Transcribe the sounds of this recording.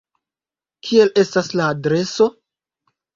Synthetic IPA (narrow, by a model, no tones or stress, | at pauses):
kʰie̞le̞staslaːdɾe̞so̞